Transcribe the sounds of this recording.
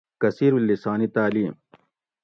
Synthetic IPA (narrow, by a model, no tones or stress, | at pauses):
kɐsiːɾwilːisaːnit̪aːliːm